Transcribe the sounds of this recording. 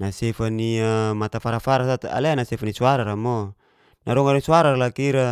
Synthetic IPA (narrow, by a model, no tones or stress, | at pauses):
nasefaniamat̪afaɾafaɾasat̪a̰leanasefanisuaɾaɾamɔ | naɾɔŋaɾsuaɾaralakiɾa